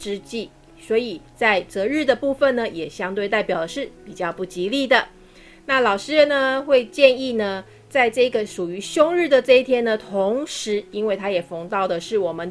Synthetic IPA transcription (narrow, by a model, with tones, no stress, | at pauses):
ʈ͡ʂɻ̩˥t͡ɕi˥˩ | swɔ˧˥i˨˩t͡sa˥˩ɪt͡sɤ˧˥ɻɻ̩˥˩d̪ə˩pu˥˩fə˨˩nnə˨jɛ˨˩ɕjɑ˥ŋt̪we˥˧ɪt̪a˥˩ɪpjɑ˨˩ʊd̪ə˩ʂɻ̩˥˩pi˨˩t͡ɕjɑ˥˧ʊpu˥˩t͡ɕi˧˥li˥˩d̪ə˨ | na˥˩lɑ˨˩ʊʂɻ̩˥ɻə˧nnə˨xwe˥˧ɪt͡ɕjɛ˥˧ni˥˩nə˨˩ | t͡sa˥˧ɪʈ͡ʂɤ˥˩i˧˥ɡə˨ʂu˨˩y˧˥ɕjʊ˥ŋɻɻ̩˥˩d̪ə˨˩ʈ͡ʂɤ˥˧i˥t̪ʰjɛ˥nd̪ə˨t̪ʰo˧˥ŋʂɻ̩˧˥i˥nwe˥˩ɪt̪ʰa˥jɛ˨˩fɤ˧˥ŋt̪ɑ˥˩ʊd̪ə˩ʂɻ̩˥˩wɔ˨˩mə˦n